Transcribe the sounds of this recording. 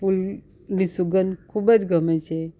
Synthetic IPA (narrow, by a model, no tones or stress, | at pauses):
pul | nisuɡənkʰubət͡sɡʱəmet͡ɕʰe